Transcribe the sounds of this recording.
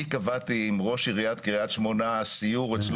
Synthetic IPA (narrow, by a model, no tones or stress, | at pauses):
ikavat̪iːmʁoʃiʁijat̪kiʁijat̪ʃmo̞nasijuʁet͡sl